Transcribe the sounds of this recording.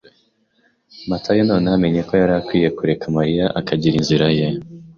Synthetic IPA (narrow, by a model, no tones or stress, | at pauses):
matʰajonoːneame̞ɲe̞ko̞jaɾakwiːje̞kuɾe̞kamaɾijaʔakʰaɟiɾinziɾaje